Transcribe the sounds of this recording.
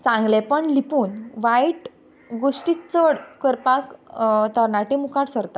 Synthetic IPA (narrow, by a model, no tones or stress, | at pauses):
t͡sãŋɡlepəɳlipuːnʋaiʈ | ɡoʂʈiːt͡səɽkəɾpakt̪əɾɳaʈimukaɽsəɾt̪a